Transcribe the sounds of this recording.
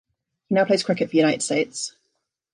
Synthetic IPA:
hinaʊpʰleɪz̥kʰɹ̥ɪkɨtfəjʉɾaɪɾɨd̥steɪts

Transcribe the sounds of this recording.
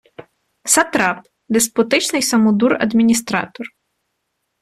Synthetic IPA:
sɐt̪ɾɑp̚ | d̪espɔt̪ɪt͡ʃnɪjsɐmɔd̪urɐ̰d̪mʲinʲis̬t̪ɾɑ̰t̪ɔr

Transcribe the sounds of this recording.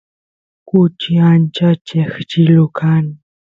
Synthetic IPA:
kʊt͡ʃiant͡ʃat͡ʃext͡ʃɪlʊkʰan

